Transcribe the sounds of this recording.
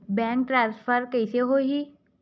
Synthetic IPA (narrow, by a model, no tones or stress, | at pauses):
bɛ̃ːŋk̚ʈɾãːnspʰəɾkəɪseɦoɦi